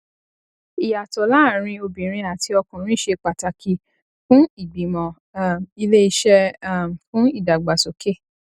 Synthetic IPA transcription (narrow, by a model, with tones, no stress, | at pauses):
i˨ja˨tɔ˨˦la˦˨ɾ̃ĩ˧o˧bĩ˨ɾ̃ĩ˧a˨ti˧˦ɔ˧kũ˨ɾ̃ĩ˦ʃe˧k͡pa˨ta˨ki˧ | fũ˦i˦˨ɡ͡bi˨mɔ̃˨˦˨ | mi˧le˦i˧ʃɛ˦˨fũ˦i˦˨da˨ɡ͡ba˨so˨ke˦˨